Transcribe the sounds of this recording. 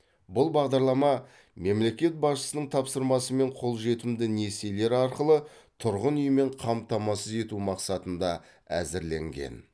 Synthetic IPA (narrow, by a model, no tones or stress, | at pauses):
bʊlˠbɑʁd̪ɑɾlˠɑmɑ | me̞mle̞kʲe̞t̪̚bɑsʃə̥sənəɴt̪ʰɑpsəɾmɑsəme̞ɴqʰo̞lˠʒe̞t̪ɪmd̪ɪne̞se̞jle̞ɾɑɾqəlˠə | t̪ʰʊɾʁənʏjəme̞ɴqʰɑmt̪ɑmɑsəze̞t̪umɑqsɑt̪ənd̪ɑ | æ̰zɪɾle̞̰ŋɡʲe̞̰n